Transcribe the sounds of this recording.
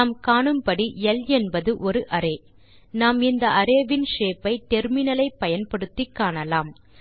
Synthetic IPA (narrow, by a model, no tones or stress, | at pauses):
aːmkaːɳɯmpɐɽiɛlɛnbɐðɯʔɔɾɯʔɐɾeː | naːmɪnd̪ɐɐɾeːʋɪnʂeːpɐɪt̪ɛɾmɪnɐlɐɪpːɐjɐnpɐɽɯt̪ːɪkːaːɳɐlaːm